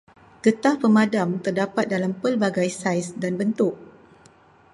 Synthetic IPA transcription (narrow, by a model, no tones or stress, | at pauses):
kət̪ahpəmadamt̪ərdapat̪̚dalampəlbaɡajsajsdanbənt̪ʊk̚